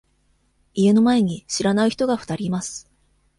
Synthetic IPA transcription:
ie̞no̞mae̞ɲ̟iɕiɾanaɯ̟çi̥t̪o̞ɡaɸɯ̟̥t̪aɾʲimasɨ̥

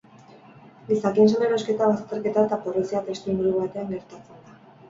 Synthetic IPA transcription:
ɡisakinseneɾo̞ske̞t̪aβast̪e̞ɾke̞t̪aet̪aporosiat̪e̞st̪imuɾuβat̪e̞aŋɡe̞ɾt̪at͡se̞nd̪a

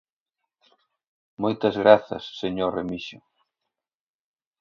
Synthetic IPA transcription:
mojt̪ɐzɣɾaθɐ̰sːeɲoremiʃʊ

